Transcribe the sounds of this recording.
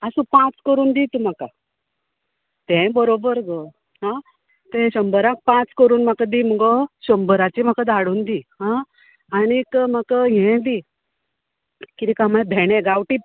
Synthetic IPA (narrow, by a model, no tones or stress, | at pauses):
asũpãt͡skəɾuːnd̪it̪um̤aka | t̪ẽbəɾobəɾɡə | ɦã | t̪ẽɕəmbəɾãk̚pãt͡skəɾuːnm̤akad̪iːm̤əɡɔɕəmbəɾat͡ɕim̤akad̪ʱaɽuːnd̪iːɦã | anikəm̤əkəɦɛ̃d̪i | kit̪ikamaebʱeɽ̃ẽɡawʈiː